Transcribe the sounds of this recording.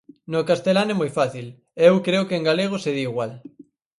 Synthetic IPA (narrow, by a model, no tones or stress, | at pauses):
nokast̪elanɛmojfaθil | ewkɾeokeːŋɡaleɣ̞oseðiːɣwal